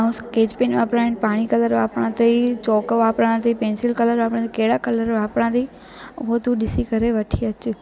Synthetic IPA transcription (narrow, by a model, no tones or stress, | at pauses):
aɦũskeːd͡ʑpeːnʋaːpɾaːɪɳpaːɽ̃ikɐləɾʋaːpɽãt̪ʰɐit͡ɕɔːkʋaːpɾãt̪ʰiːpẽːnsɪlkɐləɾʋaːpɽãt̪ikɐɦɪɽakɐləɾʋaːpɽãːt̪ʰi | ʊɦot̪uɗɪsikɐɾeʋɐʈʰiɐt͡ɕʊ